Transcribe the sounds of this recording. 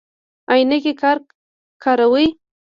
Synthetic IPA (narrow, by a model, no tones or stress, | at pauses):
ajnakekɑɾ | kʰɑɾawəj